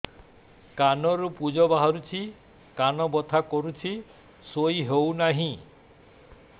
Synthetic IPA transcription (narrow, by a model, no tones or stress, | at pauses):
kanɔɾupud͡ʒɔbaɦaɾut͡ʃʰi | kanɔbɔt̪ʰakɔɾut͡ʃʰi | sojɦewnaɦĩ